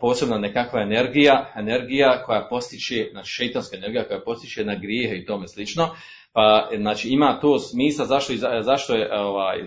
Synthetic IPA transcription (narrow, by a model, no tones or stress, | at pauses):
po̞ːse̞bnanekakʋaene̞ɾɡijaene̞ɾɡijako̞japo̞st̪it͡ʃeznaːt͡ʃi̥ːʃejt̪onskaene̞ɾɡijako̞japo̞st̪it͡ʃenaɡɾjeːɦeit̪omeslit͡ʃno̞ | paznaːt͡ʃiːimaːt̪oːsmiːslˠazaʃt̪o̞izazaʃt̪o̞jeʔoʋaːj